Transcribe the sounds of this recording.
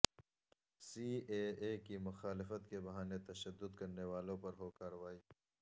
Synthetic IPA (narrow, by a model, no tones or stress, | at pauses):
siːeːeːkimʊxaːlɪfət̪kebɐɦaːnet̪ɐʃɐd̪ːʊd̪kɐɾnewaːlõpɐɾɦoːkaːɾɐʋaːiː